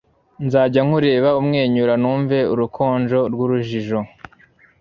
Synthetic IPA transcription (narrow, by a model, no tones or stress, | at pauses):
nzaːɟaŋ̥uɾe̞ːβaumŋe̞ːɲuɾanuːɱve̞uɾukʰo̞ːnd͡ʒo̞ɾɡuɾuʒiʒo̞